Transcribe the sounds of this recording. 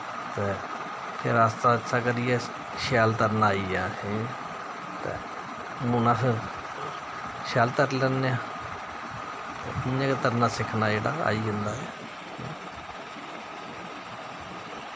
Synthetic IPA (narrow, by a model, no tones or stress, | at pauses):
t̪eː | pʰɪɾaːst̪aːətːʃʰaːkəɾiːɛː | ʃaːlt̪əɾnaːiːaːsĩ | t̪ḛː | mʊnãːpʰɪɾ | ʃaːlt̪əɾləneãː | t̪ḛːɪnãːkət̪əɾnaːsɪkʰnaːd͡ʒeːɽaːa̰ːiːʊnd̪aːɛː | ḭː